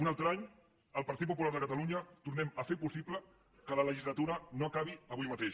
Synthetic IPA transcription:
unalˠt̪ɾaɲ | əlˠpɐɾt̪it̪̚pupulaɾðəkət̪əluɲət̪uɾnɛməfepusiplə | kələləʒizlət̪uɾənoakaβ̞iəβujmət̪eʃ

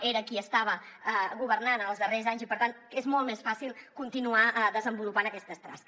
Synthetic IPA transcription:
eɾəkiəst̪aβ̞əəɣuβərnanəlˠzðərezaɲzipəɾt̪an | ezmɔlˠt̪mesfasilˠkunt̪inuaʔðəzəmbulupanəkɛst̪əst̪ɾa̰s

